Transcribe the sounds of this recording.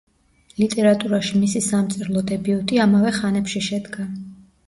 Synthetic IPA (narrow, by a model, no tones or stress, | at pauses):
lit̪ʼɛɾat̪ʼuɾaʃimisisamt̪sʼiɾlˠɔd̪ɛbiut̪ʼiamavɛχanɛpʃiʃɛd̪ɡa